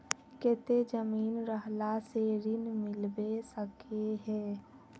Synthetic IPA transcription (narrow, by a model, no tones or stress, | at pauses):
keːt̪ed͡ʒəmiːnɾəɦlaseɾɪnmɪlbesəkeɦɛ̃ː